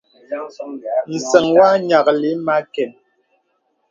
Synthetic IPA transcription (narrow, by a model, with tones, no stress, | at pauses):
n̩˨sɛ˨ŋwa˦ɲa˨kli˨˦ma˦kɛ˨n